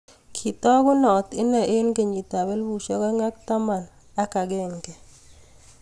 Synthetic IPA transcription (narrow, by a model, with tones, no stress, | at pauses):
kʰi˨tɔ˦kʊ˦nɔ˨t̪ɪ˦na˨ʔe˦nke˨ɲi˨ta˨bɛ˦lbu˨ʃɔ˦ka˦ŋa˦k̚ta˦ma˨n | a˦ka˨ɡɛ˦˨ŋkɛ˨